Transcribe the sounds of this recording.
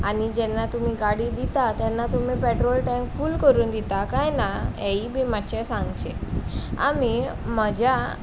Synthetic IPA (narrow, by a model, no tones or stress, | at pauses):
anid͡ʑɛnːat̪um̤iːɡaɽiːd̪it̪at̪ɛnːat̪um̤iːpɛʈɾolʈɛ̃ŋkfuːlkəɾuːnd̪it̪akajnaɛiːbimat͡ɕɛsãŋɡt͡ɕea̰mim̤əd͡ʑa